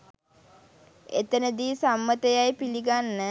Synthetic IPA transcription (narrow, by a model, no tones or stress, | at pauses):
et̪ənəd̪iːsamːət̪əjajpiliɡanːə